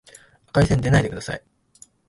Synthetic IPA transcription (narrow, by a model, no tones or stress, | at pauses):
ḁkaisẽnd̪e̞naid̪e̞kɯ̟d̪asa̰i